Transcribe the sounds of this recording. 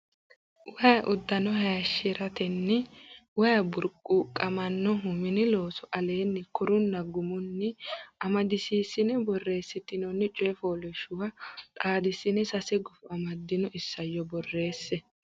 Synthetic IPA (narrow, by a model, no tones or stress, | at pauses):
wɐjɐʔʊd̪ːɐnɔhɐjɐʃːɪɾɐt̪ɛnːɪwɐjɐbʊɾkʼːuːkʼːɐmɐnːɔɦʊmɪnɪlo̞ːsɔʔɐle̞ːnːɪkʰɔɾʊnːɐɡʊmʊnːɪɐmɐd̪ɪsiːsːɪnɛbɔrːe̞ːsːɪt̪ːɪnɔnːɪt͡ʃʼɔːfoːlɛʃʊwɐt̪ʼaːd̪ɪsːɪnɛsɐsɛɡʊfʊɐmɐd̪ːɪnɔɪsːɐjːɔbɔrːe̞ːsːɛ